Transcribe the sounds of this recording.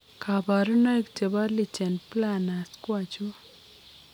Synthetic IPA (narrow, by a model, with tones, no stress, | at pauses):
ka˨ba˨ɾu˦na˦i˦kt͡ʃe˨ba˦ɾli˨t͡ʃɛ˨nplana˨skwa˦t͡ʃu˦